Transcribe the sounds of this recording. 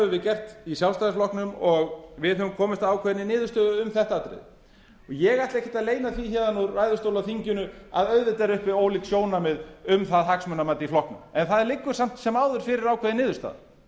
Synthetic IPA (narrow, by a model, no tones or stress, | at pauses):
vʏvɪðcɛr̥t̪isjalst̪ajðɪflɔhknʏmɔɣvɪðɦœvʏmkʰɔːmɪst̪aawkʰvɛːðnɪnɪːðʏst̪œːðʏʏmθɛht̪aat̪ɾɪ̰ð | ɔjɛɣajt̪lɪɛhcɪ̥t̪aðleːjnaθviçɛðanːʊɾvaːjðʏst̪owlaθiɲcʏnʏa̰ðœɥðɪt̪ɛɾʏhpɪoːwliksjoːwnamɪðʏmθaðɦaksmœnamaːt̪ɪiflɔhknʏmɛnθaðɛɾlɪkːʏ̥sam̥t̪sɛmaːwðʏɾ̥fɪɾɪɾawkʰvɛːðɪnɪːðʏɾst̪a̰ð